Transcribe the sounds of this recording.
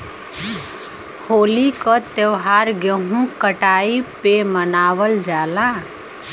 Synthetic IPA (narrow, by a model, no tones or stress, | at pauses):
hoːlikət̪eʋɦaɾɡeɦũkəʈaːipemənaːʋəld͡ʒaːlã